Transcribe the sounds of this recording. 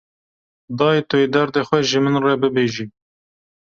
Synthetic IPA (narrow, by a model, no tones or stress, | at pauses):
d̪ɑːit̪ʊed̪ɛɾd̪exʷɛʒɪmɨnrɛbɨbeːʒiː